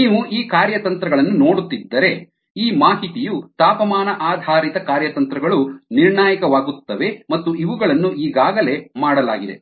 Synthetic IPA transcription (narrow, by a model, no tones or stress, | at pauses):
niːʋuʔiːkaːɾjɐt̪ɐnt̪ɾɐɡɐɭɐnːuno̞ːɽut̪ːid̪ːɐɾe̞ | iːmaːɦit̪ijut̪aːpɐmaːnɐʔaːd̪ʱaːɾit̪ɐkaːɾjɐt̪ɐnt̪ɾɐɡɐɭuniɾɳaːjɐkɐʋaːɡut̪ːɐʋe̞mɐt̪ːuʔiʋuɡɐɭɐnːuʔiːɡaːɡɐle̞maːɽɐla̰ːɡid̪e̞̰